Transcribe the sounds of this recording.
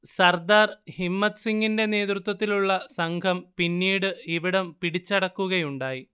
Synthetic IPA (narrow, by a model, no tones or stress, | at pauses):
sɐrd̪aːrhimːɐt̪siŋɡinde̞ne̞ːd̪rut̪ːwɐt̪ːiluɭːɐsɐŋkʰɐmpinːiːɽɨiʋiɽɐmpiɽit͡ɕːɐɽɐkːuɣɐjuɳɖaːji